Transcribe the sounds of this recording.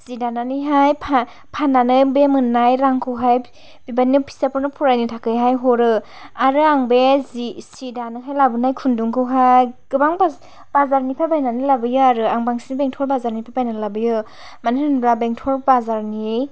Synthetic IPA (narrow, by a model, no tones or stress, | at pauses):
z̥idananiɦajpʰa | pʰananɯjbemɯnːajɾaŋkʰɯwɦaj | bibanɯpʰi̥sapʰɯɾnɯpʰuɾajnitʰakɯjɦajɦɔɾɯ | aɾɯaŋbezsidanɯɦajlabɯnajkʰunduŋkʰɯwɦajɡ̥ɯbaŋba | b̥azaɾnipʰabajnanilabɯjɯaɾɯaŋbaŋsinbeŋtʰɔɾbazaɾnipʰabajnalabɯjɯ | manɯtʰɯnbɾabeŋtʰɔɾbazaɾni